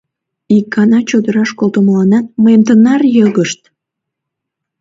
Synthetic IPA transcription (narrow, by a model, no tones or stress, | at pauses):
ikːɑnɑt͡ɕod̪əɾɑʃkolt̪omlɑnɑt̪̚məemt̪ənɑrjəɣəʃt̪